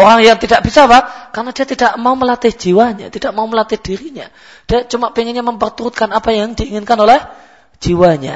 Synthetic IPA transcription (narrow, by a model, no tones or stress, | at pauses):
oɾaŋjaŋt̪idaʔb̥isaβakarnad̥iat̪idaʔmauməlat̪ɪhd͡ʒ̥iwaɲa̰t̪id̥aʔmauməlat̪ɪhd̥iɾiɲa | d̥iat͡ʃumaʔpiŋɪnɲaməmpərt̪uɾut̪̚kanapajaŋdiːŋɪnkanolɛh | d͡ʒ̥iwaɲa̰